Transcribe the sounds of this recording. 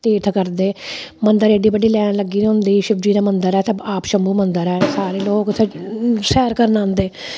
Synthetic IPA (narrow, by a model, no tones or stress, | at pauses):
t̪eːʈ̪ʰkəɾd̪eːmənd̪əɾeːɖiːbəɖiːlɛːɳ̃ləɡːiːd̪ɦʊ̃nd̪iːʃɪbd͡ʒiːd̪aːmənd̪əɾɛːt̪əbaːpʃəmbuːmənd̪əɾɛːsaːɾeːloːkt̪ʰesɛːɾkəɾnãːnd̪eː